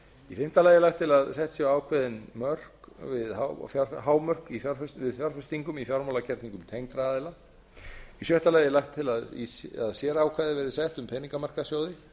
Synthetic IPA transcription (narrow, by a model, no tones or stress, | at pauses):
ifɪm̥t̪alaːjɛɾlajxt̪ʰːɪlaðsɛht̪sjɛwaːwkʰvɛðɪnmœr̥kvɪðhafjaɾɦaːwmœr̥kifjaɾfɛsvɪðfjɔɾ̥fɛst̪iŋkʏmifjaɾmawlacʰɛɾt̪niŋkʏmit̪ʰejŋt̪ɾaaːðɪla | isjœht̪alaːjɛɾlajxt̪ʰːɪlaðḭsaðsjɛɾaːwkʰaːðɪɾvɛːɾɪsɛht̪ʏmpʰɛniŋkamar̥kasjoːwðɪ